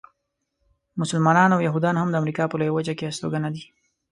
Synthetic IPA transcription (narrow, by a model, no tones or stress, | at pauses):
mʊsʊlmɑnɑnawjaɦud̪ɑnhamd̪əamɾikɑpəlojawad͡ʒakeast̪o̰ɡanad̪i